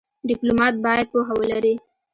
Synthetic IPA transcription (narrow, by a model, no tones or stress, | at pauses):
ɖɪplomɑt̪̚bɑjad̪̚poɦawəlaɾi